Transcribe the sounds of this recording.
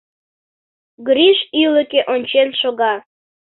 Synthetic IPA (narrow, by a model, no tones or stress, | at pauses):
ɡɾiʃyləkeʔonʲt͡ɕenʃoɣɑ